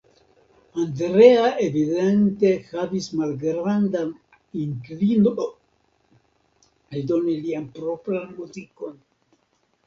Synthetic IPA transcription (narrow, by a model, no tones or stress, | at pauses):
andɾeaʔevidente̞havismalɡɾandan | iŋklinoo | ado̞nilianpɾo̞pɾanmuziko̞n